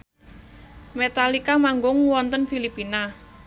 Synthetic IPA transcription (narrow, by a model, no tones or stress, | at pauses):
met̪alikamaŋɡʊŋwɔnt̪ənfilipina